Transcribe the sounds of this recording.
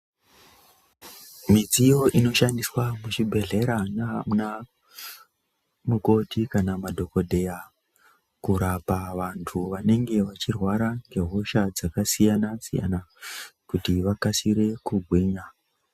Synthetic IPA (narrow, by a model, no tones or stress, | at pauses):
mid͡zijo̞ʔino̞ʃandiswamuʃibʱe̞ɮe̞ɾanamuna | muko̞tikanamadʱo̞ko̞dʱe̞ja | kuɾapaʋantʰuʋane̞ŋɡe̞ʋat͡ʃirwaɾaŋɡe̞ɦoʃad͡zakasijanasija̰nakutiʋakasiɾe̞kuɡʱweːɲa